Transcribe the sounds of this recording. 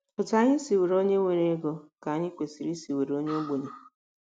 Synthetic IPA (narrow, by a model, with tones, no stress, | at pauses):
pʊ˨ta˨˦ɲɪ˦si˨we˨ɾo˦ɲe˦ŋʷe˨ɾe˦ɡo˨ka˨ɲɪ˦kʷe˨si˨ɾi˦si˨we˨ɾo˦ɲe˦o˦ɡ͡bo˨ɲe˨